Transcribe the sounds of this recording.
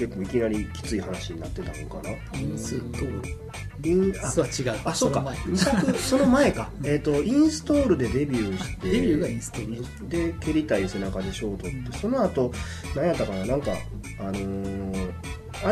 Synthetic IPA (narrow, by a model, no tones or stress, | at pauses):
ke̞kːo̞ːikʲinaɾʲikʲi̥t͡sɨihanaɕiɲ̟inat̪ːe̞t̪amõ̰ŋkana | o | ĩat͡ɕiɡaasokːaisakɯ̟so̞no̞mae̞kaet̪ːo̞ĩɰ̃sɨ̥t̪o̞ːɾɯ̟d̪e̞d̪e̞bʲjɯːɕi̥t̪e̞jɡst̪o | d̪e̞kʲe̞ɾʲit̪aise̞nakad̪eɕo̞ːt̪o̞t̪ːe̞so̞no̞at̪o̞ | nãjat̪ːakananãŋka̰ | ano̞ | a